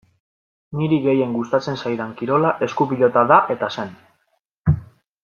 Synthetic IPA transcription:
niɾiɣe̞je̞ŋɡust̪at͡se̞nsajðaŋkiɾo̞laʔe̞skupiʎo̞t̪aðaʔe̞t̪asen

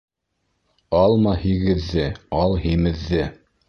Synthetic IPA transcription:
ɑlˠmɑhiɡɘ̆ðːɘɑlˠɦimɘ̆ðːɘ

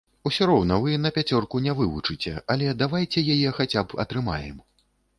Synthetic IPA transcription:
usʲɔɾɔwnɐvɨnɐpʲat͡sʲɔrkunʲɛvɨvut͡ʂɨt͡sʲɛ̰ʔalʲɛd̪avajt͡sʲɛjajɛxat͡sʲapɐ̰t̪ɾɨma̰jɛ̰m

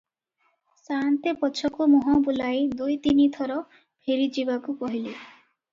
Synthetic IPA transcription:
sant̪epɔt͡ʃʰɔkumɔɦɔ̃bulaed̪ujt̪init̪ʰɔɾɔ | pʰeɾid͡ʒibakupɔɦili

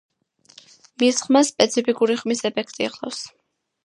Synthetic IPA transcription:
misχmaspʼɛt̪sʰipʰikʼuɾiχmisɛpʰɛkʰt̪ʼiaχlˠa̰fs

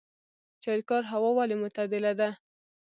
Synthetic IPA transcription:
t͡ʃɑɾikɑɾɦawɑwalemʊt̪ad̪ɪlad̪a

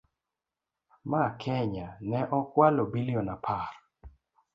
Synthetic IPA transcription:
makʰɛɲanɛʔɔkwalɔbiliɔnapʰar

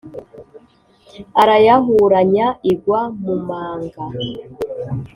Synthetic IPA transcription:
aɾajaɦuɾaɲaiɡwamumaːŋɡa

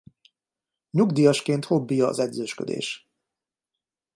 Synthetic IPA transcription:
ɲuɡd̪iːjɒʃkeːnt̪ho̞bːijɒ̰ːzɛd̪zøːʃkød̪ḛːʃ

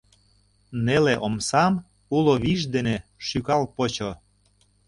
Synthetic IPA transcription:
neleʔomsɑm | uloβiʒd̪eneʃykɑlpot͡ɕo

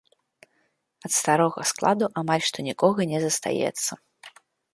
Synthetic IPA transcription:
ɐt̪st̪aɾɔɣɐ̰sklˠad̪uʔamalʲʂt̪ɔnʲikɔɣɐnʲɛzɐst̪a̰jɛ̰t̪sːɐ

